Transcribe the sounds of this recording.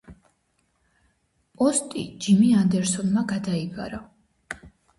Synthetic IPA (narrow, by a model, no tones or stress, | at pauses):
pʼɔst̪ʼḭd͡ʒimiand̪ɛɾsɔnmaɡad̪aiba̰ɾa